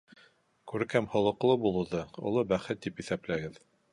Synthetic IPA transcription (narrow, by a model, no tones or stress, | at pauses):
kʉɾɘkæmhŏlˠɤ̆qlˠɤbulˠŭðɤṵlˠɤbæχɘt̪̚ːipiθæplæɡɘð